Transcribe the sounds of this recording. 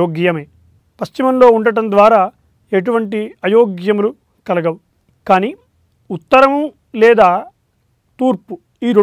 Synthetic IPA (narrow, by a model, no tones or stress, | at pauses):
oːɡjɐmeː | pɐst͡ʃimɐmlo̞ːuɳɖɐʈɐnd̪ʋaːɾaː | eʈ̬uʋɐɳʈiɐjoːɡjɐmulu | kɐlɐɡɐw | kaːniː | ut̪ːɐɾɐmɐ | lɛːd̪aː | t̪uːɾpu | iːɾo